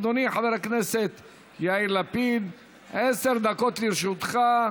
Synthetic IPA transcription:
d̪oniħaveɾhakneset̪ | jailapid̪ | ʕeseɾd̪akot̪liɾʃut̪χa

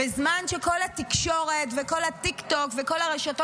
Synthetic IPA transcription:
bezmanʃeko̞lat̪ikʃo̞ʁe̞tveko̞lat̪ikt̪o̞kveko̞laʁeʃato

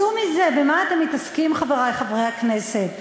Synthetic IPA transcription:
umizebemaat̪e̞mːitaskimχaveʁajχavʁejhakneset

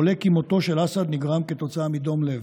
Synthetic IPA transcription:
olekimot̪o̞ʃelasad̪niɡʁamket̪o̞t͡saamid̪o̞mlev

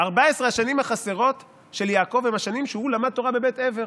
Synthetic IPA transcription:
aʁbaesʁeaʃanimhaχase̞ʁo̞t | ʃe̞ljaːko̞vemaʃanimʃehulamad̪̚t̪o̞ʁabe̞beteve̞ʁ

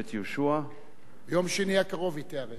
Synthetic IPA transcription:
et̪joʃua | jomʃeniakaʁo̞vit̪eaʁe

